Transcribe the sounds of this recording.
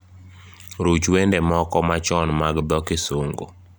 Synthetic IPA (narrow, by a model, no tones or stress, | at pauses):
ɾot͡ʃwendɛmɔkɔmat͡ʃɔnmaɡd̪ɔkɪsoŋɡo